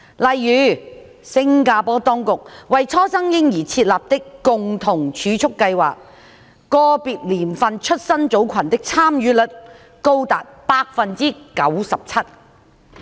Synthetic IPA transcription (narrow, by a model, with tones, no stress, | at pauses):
lɐ˨jːyː˨˥ | sɪ˥ŋkaː˧pɔː˨˥t̪ɔː˥ŋkʊ˨k̚wɐ˨jt͡sʰɔː˥sɐ˥ŋjɪ˥ŋjiː˨˩t͡sʰiː˧t̚laː˨p̚t̪ɪ˥kːʊ˨ŋt̪ʰʊ˨˩ŋt͡ʃʰyː˨˧t͡ʃʰʊ˥kːɐ˧jwa̰ː˨˩k̚ | kːɔː˧piː˨t̚liː˨˩mfɐ˨nt͡ʃʰɵ˥t̚sɐ˥nt͡so˨˥wkʰɐ˨˩nt̪ɪ˥k̚t͡sʰaː˥mjyː˨˥lɵ˨˥t̚ | ko˥wt̪a̰ː˨t̚paː˧k̚fɐ˨nt͡siː˥kɐ˨˥wsɐ˨p̚t͡sʰɐ˥t̚